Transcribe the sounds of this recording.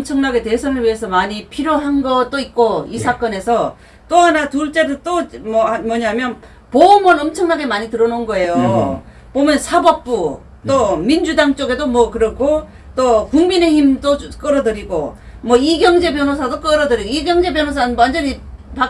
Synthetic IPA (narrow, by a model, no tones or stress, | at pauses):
ʌmt͡ɕʰʌŋnaɡe̞te̞sʰʌnɯɭɥie̞sʰʌmaɲipʰiɾjoɦanɡʌt̚t͈oit̚k͈oisʰak͈ʌne̞sʰʌ | t͈ohanatuɭt͡ɕ͈edɯt͈omʌmʌɲaɦamjʌn | pomʌnʌmt͡ɕʰʌŋnaɡe̞maɲitɯɾʌnonɡʌe̞jo | pomjʌnsʰabʌp̚p͈u | t͈omind͡ʑudaŋt͡ɕ͈oɡe̞domwʌkɯɾʌkʰo | t͈okuŋmine̞çimd͈ok͈ʌɾʌdɯɾiɡo | mwʌiɡjʌŋd͡ʑe̞pjʌnosʰadok͈ʌɾʌdɯɾiɡoiɡjʌŋd͡ʑe̞pjʌnɦosʰanɯnwand͡ʑʌnipa